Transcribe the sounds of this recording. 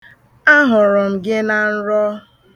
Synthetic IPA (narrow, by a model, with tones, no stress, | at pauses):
a˦ɦʊ˨ɾʊ˨m̩˨ɡɪ˦na˨n̩˦ɾɔ˦